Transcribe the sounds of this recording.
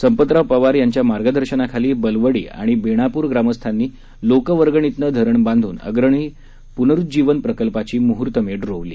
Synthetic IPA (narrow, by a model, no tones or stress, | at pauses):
səmpət̪ɾapəʋaɾjaɲt͡ɕjamaɾɡəd̪ʱəɾɕənakʰaliːbəlʋəɽḭːa̰ɽ̃ibeɽ̃apuːɾɡɾaməst̪ʰanːiː | lokəʋəɾɡəɳ̃it̪nəd̪ʱəɾəɳbãnd̪ʱuːnə̰ɡɾəɳ̃iː | punəɾut̪̚d͡ʑiʋənpɾəkəlpat͡ɕiːmuɦuɾt̪əmeʈɾoʋlḭː